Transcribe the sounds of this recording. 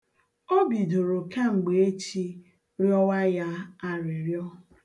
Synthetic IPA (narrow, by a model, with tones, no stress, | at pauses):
o˦bi˨do˨ɾo˨ka˦ŋ͡m̩˨ɡ͡be˨e˦t͡ʃi˦ | ɾjɔ˦wa˦ja˦a˦ɾɪ˨ɾjɔ˦